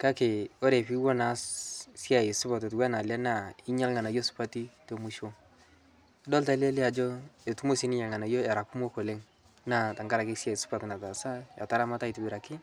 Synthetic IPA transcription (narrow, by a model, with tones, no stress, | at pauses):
ka˦ke˨o˦ɾe˨pi˦wo˦na˨ssja˨ɪ˨sʊ˦pa˨t̬e˨t̬wa˦na˨lɛ˦na˦˨ɪ˦ɲa˦lŋa˨na˨jo˦sʊ̥˦pa˦ti˦to˨mu˦ʃo˦ | dɔ˦lta˦le˦lɪ˦a˨d͡ʒo˦e˨tu˦mo˦si˦ni˦ɲa˨lŋa˨na˨jo˦ɛ˨ɾa˨ku˦mo˦ko˨le˦ŋ | na˦˨ta˨ŋɡa˦ɾa˨ke˦sa˨i˨sʊ̥˦pa˨tna˨ta˨sa˦ja˨ta˦ɾa˦ma˦ta˦i˨tu˨bɪ˨ɾa˨kɪ˦